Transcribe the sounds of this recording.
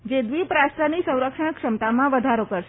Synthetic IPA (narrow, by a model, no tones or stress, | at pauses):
d͡ʒed̪ʋipɾast̪ɾanisə̃w̃ɾəkʂəɳəkʃəmt̪amãʋəd̪ʱaɾokəɾʃe